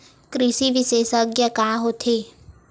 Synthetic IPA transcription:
kɾɪʃiʋɪʃeːsəɡjakaːɦot̪ʰeː

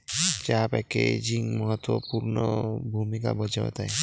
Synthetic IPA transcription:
d͡ʒaɦapajked͡ʒiŋmɔɦɔt̪wɔpuɾnɔbʱumika̰bɔd͡ʒaa̰t̪aj

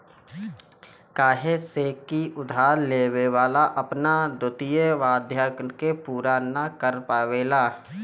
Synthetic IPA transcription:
kaːɦeseːkːiʊd̪ʱaːɾleːweʋaːlaʔəpnad̪ʊt̪ijəʋaːd̪ʱjəːknkepuːɾanakəɾpaːʋeːlaː

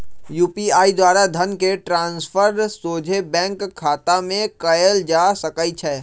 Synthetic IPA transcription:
juːpiaːid̪waːɾad̪ʱɐnkeʈɾãːnsfʰəɾsoːd͡ʒʱebɛ̃ːŋkʰːaːt̪amẽkɐjəld͡ʒaːsɐkəit͡ʃʰɛː

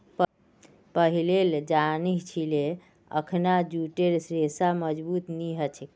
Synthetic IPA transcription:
p | pəɦileld͡ʒaniɦt͡ʃʰile | ə̰kʰnad͡ʒuʈeɾsɾesaməd͡ʒbut̪niɦət͡ʃʰik

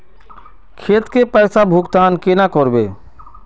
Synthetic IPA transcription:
kʰeːt̪kepɛːsabʱʊɡt̪aːnkenakɔɾbeː

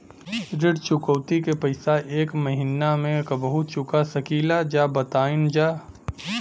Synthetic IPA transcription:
ɾɪɽt͡ʃʊkəwt̪ikepɐɪsaʔeːkməɦɪnamẽkəbəɦʊt͡ʃʊkasəkiːlad͡ʒaːbət̪aːɪnd͡ʒaː

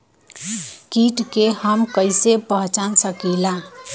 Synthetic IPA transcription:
kiʈkehəmkəɪsepəɦt͡ʃansəkila

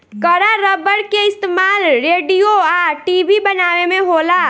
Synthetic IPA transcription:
kɐɾaɾəbəɽkeɪst̪emaːlɾeːɖijoaːɾʈiːbʱibɐnaːʋemẽɦoːlaː

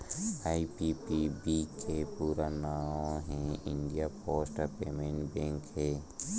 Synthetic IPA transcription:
aːipipibikʰepuːɾanaːõɦɛ̃ɪ̃ɳɖijapoːsʈəɾpeːmẽɳʈbɛ̃ːŋkɦɛː

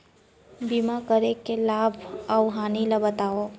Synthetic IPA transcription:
bimakəɾekelaːbʱəwɦaːnilabət̪aːo

